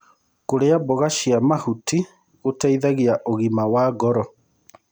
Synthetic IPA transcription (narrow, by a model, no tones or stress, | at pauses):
koɾeabɔɣaʃiamahuti | ɣotaiðaɣiaʔoɣimawaɣɔɾɔ